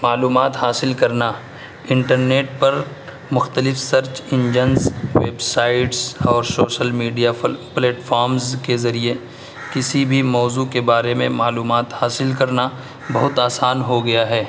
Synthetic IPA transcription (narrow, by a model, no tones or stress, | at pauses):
maːluːmaːt̪haːsɪlkɐɾna | ɪ̃ɳʈəɾneːʈpɐɾ | mʊxt̪əlɪfsɐɾt͡ʃɪ̃ɲd͡ʒənzʋḛːbsaːɪʈsɔːɾsoːʃəlmiːɖijapleːʈfʰɔːɾmzkezɐɾie | kɪsibʱimɔːzuːkebaːɾemẽmaːluːmaːt̪haːsɪlkɐɾna | bɐɦʊt̪aːsaːnɦoɡɐjaɦɛː